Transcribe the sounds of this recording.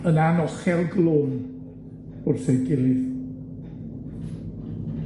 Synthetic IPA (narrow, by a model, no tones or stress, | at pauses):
ənanɔχɛlˠɡlˠoːn | ʊrθeɡɪlˠɪð